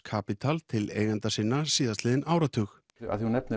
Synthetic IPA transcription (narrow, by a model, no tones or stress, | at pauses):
kʰaːpit̪ʰalt̪ʰɪleːjɣant̪asɪnːasiːðasɪːðɪnʔaːwɾat̪ʰʏx | a̰ðunɛpnɪ